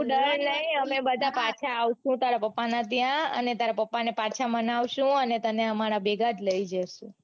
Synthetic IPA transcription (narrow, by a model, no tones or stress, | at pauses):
ɗəɾnəɦĩəmebəd̪ʱapat͡ʃʰaːʋʃũt̪aɾapəpːanat̪jãə̰net̪aɾapəpːanepat͡ʃʰamənaʋʃũənet̪əneəmaɾabeɡʱad͡ʒləid͡ʒəʃũ